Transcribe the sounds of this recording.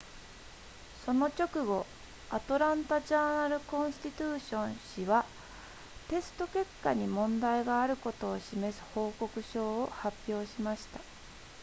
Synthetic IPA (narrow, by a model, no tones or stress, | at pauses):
so̞no̞t͡ɕʲo̞kɯ̟ɡo̞ | at̪o̞ɾãnt̪aʑaːnaɾɯ̟kõ̞ɰ̃st̪ʲit̪ɨːɕõ̞ɰ̃ɕiβa | t̪e̞sɨ̥t̪o̞ke̞kːaɲ̟imõ̞nd̪aiɡaːɾɯ̟ko̞t̪o̞ːɕime̞sɨ̥ho̞ːko̞kɯ̟ɕo̞ːohapʲːjo̞ːɕimaɕi̥t̪a